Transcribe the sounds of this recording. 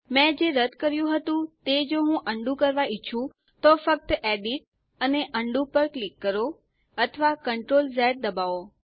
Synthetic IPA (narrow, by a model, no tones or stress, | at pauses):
mɛ̃d͡ʒeɾəd̪ʱkəɾjũɦət̪ũt̪ed͡ʒoɦũʔəɳɖũkəɾʋait͡ʃʰũ | t̪ofək̚t̪əeɖiʈ̚ | əneʔəɳɖũpəɾklikːəɾo | ət̪ʰəʋakəɳʈɾolzɛʈ̚d̪əbao